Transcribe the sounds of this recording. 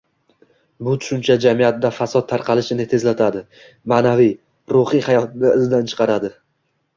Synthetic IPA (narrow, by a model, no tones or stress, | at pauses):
bʊt̪ʰʊ̥ʃʊnt͡ʃʰad͡ʒamijat̪̚d̪afasɒt̪̚t̪ʰːaɾqʰɑlˠɪʃɪnɪt̪ʰe̞zlat̪ʰad̪ɪ | maːnavij | ɾoχihajɒt̪ɪnɪɪzd̪ant͡ʃʰɨ̥qʰɑɾad̪ɪ